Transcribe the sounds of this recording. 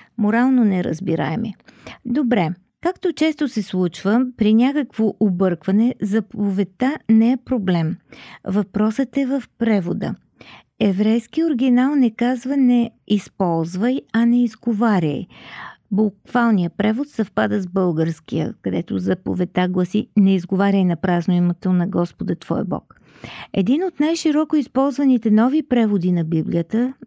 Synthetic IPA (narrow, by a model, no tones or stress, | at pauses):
moɾalˠnonɛɾə̰zbiɾa̰ɛmɛ̰d̪obɾɛ | kakt̪ot͡ʃɛst̪osɛslˠut͡ʃvəpɾinʲakəkvoʔobɤɾkvɐnɛzɐpovɛt̪anɛɛpɾoblɛmvɐpɾɔsət̪ɛvəfpɾɛvod̪ə̰ | ɛvɾɛjskioɾɡ̟ʲinalˠnɛkazvənɛispɔlˠzvəjɐnɛizɡovaɾʲə̰jbukvalˠnijəpɾɛvot̪sɐfpad̪əzbɤlˠɡəɾskijə̰kɐd̪ɛt̪o̰zɐpo̰vɛt̪aɡlˠəsinɛizɡovaɾʲəjnɐpɾaznoimət̪onɐɡɔspod̪ət̪v̥ɔ̰jəbɔ̰k | ɛ̰d̪inot̪najʃiɾɔkoispɔlˠzvɐnit̪ɛnɔvipɾɛvod̪inɐbiblijət̪ə